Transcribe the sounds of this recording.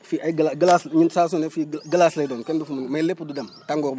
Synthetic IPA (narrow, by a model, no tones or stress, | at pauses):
fiʔaɡlaɡəlasɲitsas̬nefiɡəlaslajdonkendufumnmalepududamtaŋɡoɾb